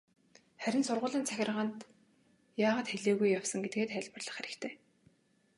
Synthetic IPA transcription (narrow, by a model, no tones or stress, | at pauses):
χæɾʲɪ̆nsʊrʁʊːɮiːnt͡sʰæxʲɪ̆rʁaːnt̪ | jaːʁaːt̪xeɮeːɣujːawsə̆ŋɡet̪̚ɡeːt̪χæɮʲpərɮə̆χæɾʲɪ̆kt̪ʰeː